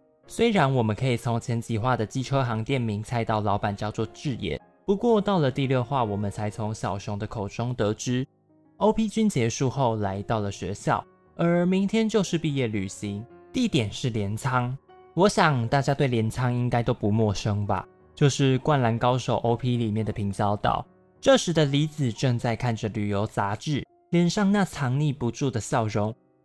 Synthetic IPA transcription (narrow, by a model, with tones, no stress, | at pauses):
swe˥ɪɻa˧˦nwɔ˨˩mə˨nkʰɤ˧˥i˨˩t͡sʰo˧˥ŋt͡ɕʰjɛ˧˥nt͡ɕi˨xwa˥˩d̪ə˩t͡ɕi˥ʈ͡ʂʰɤ˥xɑ˧˥ŋt̪jɛ˥˨˩nmi˧˥ŋt͡sʰa˥˧ɪt̪ɑ˥˩ʊlɑ˧˥ʊpa˨˩nt͡ɕjɑ˥˧ʊt͡swɔ˥˧ʈ͡ʂɻ̩˥˧jɛ̰˥˩ | pu˨˧˦kwɔ˥˧t̪ɑ˥˩ʊlə˨˩t̪i˥˧ljo˥˧xwa˥˩wɔ˨˩mə˦nt͡sʰa˧˥ɪt͡sʰo˧˥ŋɕjɑ˨˩ʊɕjo˧˥ŋd̪ə˨kʰo˨˩ʊʈ͡ʂʊ˥ŋt̪ɤ˨˦ʈ͡ʂɻ̩˥ | o˥ʊpʰi˥t͡ɕy˥nt͡ɕjɛ˧˥ʂu˥˧xo˥˩ʊla˧˥ɪt̪ɑ˥˩ʊlə˩ɕɥɛ̰˧˥ɕjɑ̰˥˩ʊ | ə˞˨˧˥mi˨˦ŋt̪ʰjɛ˥nt͡ɕjo˥˧ʊʂɻ̩˥˧pi˥˧jɛ˥˩ly̰˨˩ɕi˧˦ŋt̪i˥˧˩t̪jɛ˨˩nʂɻ̩˥˩ljɛ˧˥nt͡sʰɑ˥ŋ | wɔ˧˥ɕjɑ˨˩ŋt̪a˥˩t͡ɕja˥t̪we˥˩ɪljɛ˧˥nt͡sʰɑ˥ŋi˦˥ŋka˥ɪt̪o˥ʊpu˧˦mwɔ˥˨ʂɤ˦˥ŋba̰˨ | t͡ɕjo˥˧ʊʂɻ̩˥˧kwa˥˩nla˧˥nkɑ˥ʊʂo˨˩ʊʔo˥ʊpʰi˦˥li˨˩mjɛ˥˩nd̪ə˩pʰi˧˥ŋɕjɑ˥ʊt̪ɑ̰˨˩ʊ | ʈ͡ʂɤ˥˨ʂɻ̩˧˥d̪ə˧li˧˥t͡sɹ̩˨˩ʈ͡ʂɤ˥˧ŋt͡sa˥˧ɪkʰa˥˩nʈ͡ʂə˨˩ly˨˩jo˧˥ʊt͡sa˧˥ʈ͡ʂɻ̩˥˩ | ljɛ˨˩nʂɑ˥˧ŋna˥˨t͡sʰɑ˧˥ŋni˥˩pu˧˦ʈ͡ʂu˥˩d̪ə˩ɕjɑ˥˩ʊɻʊ˧˥ŋ